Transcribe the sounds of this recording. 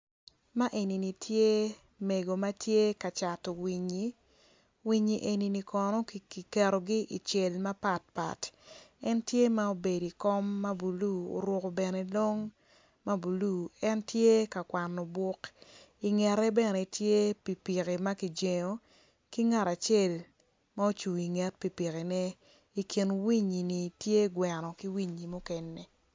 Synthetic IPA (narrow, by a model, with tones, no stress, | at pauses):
ma˦ʔe˨ni˨ni˨tʰje˦ | me˨ɡo˨ma˦tje˦ka˨t͡ʃa˨tɔ˨wi˨ɲi˨ | wi˨ɲi˨ʔe˨ni˨ni˨kɔ˨nɔ˦ki˨kɛ˨ɾo˨ɡi˦ʔi˨t͡ʃe˨lma˦pa˨t̚pa̰˨tɛ˦ntje˦ma˦o˨be˨di˨kɔ˦mːa˦bu˨lu˦o̰˨ɾwʊ˦ko˨bɛ˨ne˦lo˦ŋ | ma˦bu˨lu˦˨ɛ˦ntje˦ka˨kwa˨nːɔ˨bʊ˦ki˨ŋɛ˨ɾɛ˦bɛ˨nɛ˨tje˦pi˨pi˨ke˨ma˦ki˨d͡ʒe˨ɲo˨ | ki˦ŋa˦ɾa˨t͡ʃe˦˨l | ma˦o˦t͡ʃu˨i˨ŋɛ˦t̚pi˨pi˨ke˨nɛ˦ | i˨ki˨nwi˦ɲi˨ni˨tje˦ɡwɛ˨nɔ˨ki˦wi˦ɲi˨mʊ˦kɛ˦nːɛ˨